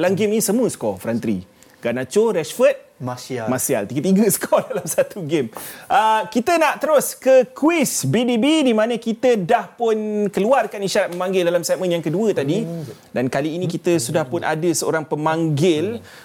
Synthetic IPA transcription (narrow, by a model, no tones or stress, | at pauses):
laŋɡɪmnĩsəmũəsə̥kɔfɾant̪ɾḭ | ɡanat͡ʃoɾɛsfət̪̚masia̰lt̪iɡət̪iɡəsə̥kʰɔdalamsat̪uɡɪmʔəkit̪ənaʔt̪əɾʊskəkwisbidibidimãnə̃kit̪ədahpʊnkəluarkaniʃaɾat̪̚məmãŋɡɪldalamsɛt̪̚mə̃njaŋkəduət̪adi | dankaliːnĩkit̪əsudahpʊnʔa̰dəsəo̰ɾaŋpəmãŋɡɪl